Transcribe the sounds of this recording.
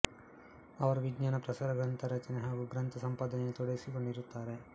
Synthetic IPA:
ɐʋɐɾuʋiɡɲaːnɐpɾɐsaːɾɐɡɾɐnt̪ʰɐɾɐt͡ʃɐneɦaːɡuɡɾɐnt̪ʰɐsɐmpaːd̪ɐnet̪ɔɽɐjisiko̞ɳɖiɾut̪ːaːɾe̞

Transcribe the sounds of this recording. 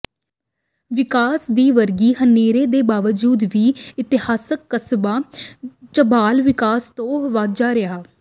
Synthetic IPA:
ʋɪkaːsd̪iːʋəɾɡiːɦəneːɾeːd̪eːbaːʋəd͡ʒuːd̪ʋiːɪt̪ɪhaːsəkːəsbaːt͡ʃəbaːlʋɪkaːst̪õːʋaːd͡ʒaːɾɪɦaː

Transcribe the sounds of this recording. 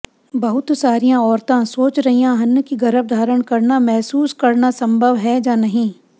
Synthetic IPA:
bɐɦʊt̪saːɾijãɔːɾt̪ãsoːt͡ʃɾɐɦijãɦɐnːəkiɡɐɾəʋd̪ʱaːɾəɽ̃kɐɾnamɛɦsuːskɐɾnasɐ̃mbʱəʋɦɛd͡ʒaːnɐɦĩː

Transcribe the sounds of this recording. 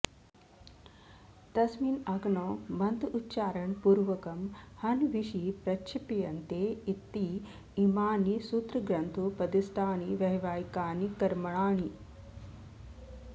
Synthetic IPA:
t̪ɐsmiːnɐɡɳoːmɐnt̪uːtːʃaːɾɐɳpuːɾʋɐkɐmhɐnʋiʃipɾɐt͡ʃʰipijɐnt̪eːit̪ːiː | maːnisuːt̪ɾɐɡɾɐnt̪ʰupɐd̪isʈ̪aːɳiʋɐɦiʋaːjikaːnikɐɾmɐɭaːɳi

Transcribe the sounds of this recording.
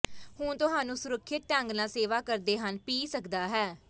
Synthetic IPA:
hʊɳt̪ʊɦaːnũːsʊɾəkʰːɪt̪̚ʈəŋɡnaːseːʋaːkəɾd̪eːɦənpiːsəkd̪aːɦɛː

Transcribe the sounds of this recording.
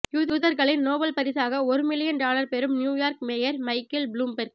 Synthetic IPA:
juːðuːðɐɾɣɐɭɪnnoːʋɐlpɐɾɪsaːɣɐɔɾɯmɪlɪjɐnɖaːlɐɾpɛɾɯmnjuːjaːɾkmɛjɐɾmɐɪkːɐlbluːmbɛɾk

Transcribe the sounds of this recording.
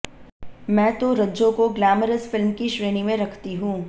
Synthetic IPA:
mɛ̃ːt̪oɾɐd͡ʒõkoɡlæːməɾəsfɪlmkiʃɾeːnimẽɾɐkʰt̪iɦũː

